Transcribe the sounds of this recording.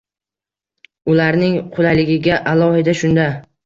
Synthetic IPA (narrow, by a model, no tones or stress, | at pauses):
ʊlaɾnɪŋqʰʊlalɪɡʲɪɡʲaʔalˠɒhɪd̪aʃʊnd̪a